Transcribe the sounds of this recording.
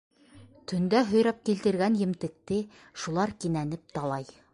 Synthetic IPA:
t̪ʰɵ̆nd̪æɦɵ̆jɾɑp̚kilt̪ɘ̆ɾɡænjɘ̆mt̪ɘ̆k̚t̪ɘ | ʃulˠɑɾkinænɘp̚t̪ɑlˠɑj

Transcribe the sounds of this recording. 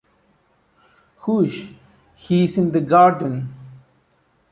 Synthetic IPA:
huʃ | hiːzɪ̃nd̪əɡaːɾɖə̃n

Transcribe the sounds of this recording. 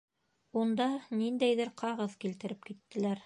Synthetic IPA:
und̪ɑnind̪æjðɘɾqʰɑʁɤðkilt̪ɘ̆ɾɘp̚kit̪ːɘ̆læɾ

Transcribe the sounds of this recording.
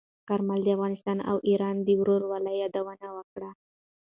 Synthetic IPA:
kaɾmald̪əafɣɑnɪst̪ɑna̰wʔiɾɑnd̪əwɾoɾwalajɑd̪awənawəkɽa

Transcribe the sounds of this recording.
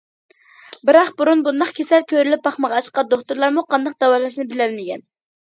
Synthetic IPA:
bɪɾɑqbuɾunbund̪ɑχkʲʰesɛlkʲʰøɾylyp̚bɑχmɑʁɑɑt͡ʃqɑd̪oχt̪uɾlˠɑɾmuqʰɑnd̪ɑq̚d̪ɛwɑlˠɑʃ̬nɪbɪlɛlmɪkʲɛn

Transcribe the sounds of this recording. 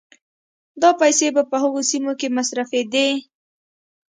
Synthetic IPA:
d̪ɑpajsebapəhʊɣosimokemasɾafed̪e

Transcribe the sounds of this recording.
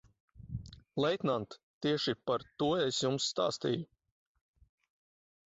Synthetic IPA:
lˠɛjt̪nant̪ | t̪iɛʃipaɾt̪uɔesjumsːt̪a̰ːst̪ḭju

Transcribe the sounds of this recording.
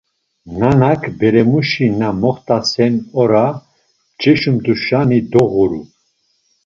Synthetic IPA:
nanakʰbɛɾɛmuʃinamɔχt̪ʼasɛnɔɾa | t͡ʃɛʃumd̪uʃanid̪ɔʁuɾṵ

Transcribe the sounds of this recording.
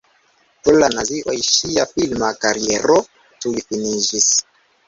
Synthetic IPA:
pulanaziwa̰iʃijafilmakaɾiɛɾɔ | tuifiniʒis

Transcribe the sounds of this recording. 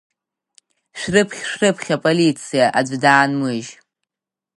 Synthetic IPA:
ʃʷᶣrɨpʰχʲʂᶣrɨpʰχʲapʼolit͡sʰijaʔad͡ʒʷdaːnmɨʒ

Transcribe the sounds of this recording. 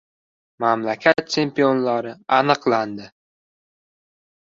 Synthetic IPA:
mamlakʲʰat̪̚t͡ʃʰe̞mpio̞nlaɾɪanɨqland̪ɪ

